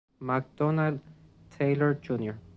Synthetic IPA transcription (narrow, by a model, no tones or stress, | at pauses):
mak̚d̪̥ɔnald̪ | t̪ʰejlɔɹd͡ʒunjɔɹ